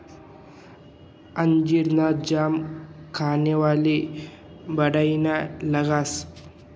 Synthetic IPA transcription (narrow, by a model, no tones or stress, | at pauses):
ɐɲd͡ʒiɾnad͡ʒaːmkʰaːnewaːli | bɐɽajnalɐɡas